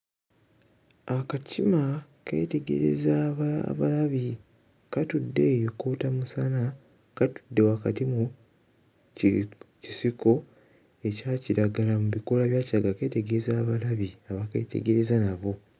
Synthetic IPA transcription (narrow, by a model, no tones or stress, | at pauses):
akacʰima | ke̞̰ːte̞ɡe̞̰ɾe̞̰zaβ̰βalaβi | katudːe̞ːjokoːtamusana | katu̥dːe̞wakatimu | cisiko̞ | e̞caciɾaɡalamuβiko̞laβjaːciaɡake̞ːte̞ɡe̞zaːβalaβiaβakḛːte̞̰ɡe̞ɾe̞zanaβo̞